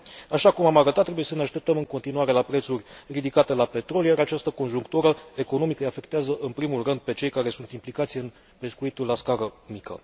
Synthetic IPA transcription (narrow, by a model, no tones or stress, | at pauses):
aʃakumamaɾət̪at̪ːɾebuje̞səneaʃt̪e̞p̚t̪əmɨŋkont̪inuaɾe̞lapɾe̞t̪surʲrid̪ikat̪e̞lape̞t̪ɾo̞ljaɾat͡ʃast̪əko̞nʒuŋkt̪uɾəe̞ko̞no̞mikəjafe̞kt̪eazəʔɨnpɾimulrɨnd̪̚pe̞t͡ʃe̞jkaɾe̞sunt̪implikat̪sijeɨn | pe̞skuit̪ulːaskaɾəmikə̰